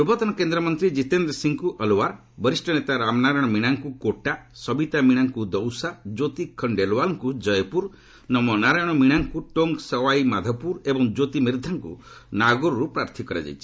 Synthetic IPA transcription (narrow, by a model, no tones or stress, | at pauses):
pɾubʱɔt̪ɔnɔkend̪ɾɔmɔnt̪ɾid͡ʒit̪end̪ɾɔsiŋkuʔɔlowaɾ | bɔɾisʈɔnet̪aɾamnaɾajɽ̃ɔmiɽ̃aŋkukoʈasɔbit̪amiɽ̃aŋkud̪ɔwsad͡ʒot̪ikʰɔɳɖelwalɔŋkud͡ʒɔjpuɾ | nɔmɔnaɾajɽ̃ɔmiɽ̃aŋkuʈoŋɡsɔwajmad̪ʱɔpuɾebɔŋd͡ʒot̪imiɾd̪ʱaŋkṵ | naɡuɾɔɾupɾaɾt̪ʰikɔɾa̰d͡ʒa̰jt͡ʃʰi̥